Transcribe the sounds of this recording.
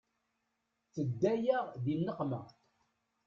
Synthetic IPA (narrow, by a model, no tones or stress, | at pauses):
t͡sːəd̪ːæjəʁðinːəqmə̰